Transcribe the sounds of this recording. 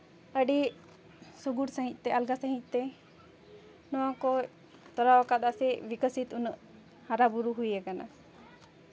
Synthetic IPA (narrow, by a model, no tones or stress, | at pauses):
əɖi | soɡuɽsə̃ɦĩt̪̚ˀt̪ɛalɡasə̃ɦit̪̚ˀt̪ɛ | nɔwãkɔ | t̪ɔɾawakad̪asɛbikəsit̪unəʔ | haɾabuɾuɦujakana̰